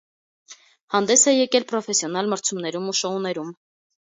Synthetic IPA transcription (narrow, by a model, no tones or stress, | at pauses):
hɑnd̪ɛsɛjɛkɛlpɾɔfɛsjɔn̪ɑlməɾt͡sʰumnɛɾumuʃɔunɛɾum